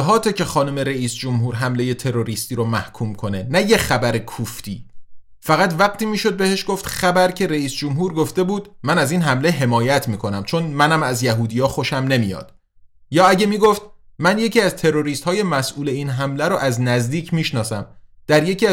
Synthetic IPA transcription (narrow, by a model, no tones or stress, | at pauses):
ɦɒːt̪ʰecʰe̞xɒːnome̞ɾeiːsd͡ʒomɦuːɾɦæmle̞je̞t̪ʰe̞ɾo̞ɾiːst̪iːɾomæhkʰuːmkʰo̞ne̞næje̞xæbæɾekʰuft̪iː | fæɣæt̪væɢ̚t̪ʰiːmiːʃo̞d̪̚be̞heʃɡ̥oft̪χæbæɾcʰe̞ɾeiːsd͡ʒomɦuːɾɡoft̪e̞buːd̪̥mænæziːnɦæmle̞ɦe̞mɒːjæt̪ʰmiːkʰo̞næmt͡ʃʰo̞nmænæmæzjæɦuːd̪ijɒːxo̞ʃæmne̞mijɒ̰ːd̪̥ | jɒːæɟe̞miːɡoft̪̚mænje̞cʰiːæzt̪ʰe̞ɾo̞ɾiːst̪hɒːje̞mæsʔuːle̞iːnɦæmlæɾoʔæznæzd̪iːcʰmiːʃnɒːsæmd̪̥æɾje̞cʰiːæ